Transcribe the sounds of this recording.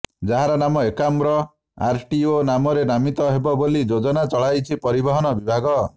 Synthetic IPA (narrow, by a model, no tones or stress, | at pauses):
d͡ʒaɦaɾɔnamɔekambɾɔ | a̰ɾʈionamɔɾenamit̪ɔɦebɔbolid͡ʒod͡ʒɔnat͡ʃɔɭajt͡ʃʰipɔɾibɔɦɔnɔbibʱaɡɔ